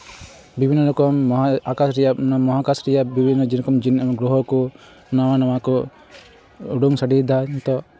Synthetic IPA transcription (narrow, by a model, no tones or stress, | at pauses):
bibʱinːɔlɔkɔmakasɾɛjamɔɦakasɾɛjabibʱinːɔd͡ʒinɔkɔmd͡ʒinɡɾɔɦɔkɔ | nawanawakɔ | uɖuŋsaɖid̪aɲt̪ɔ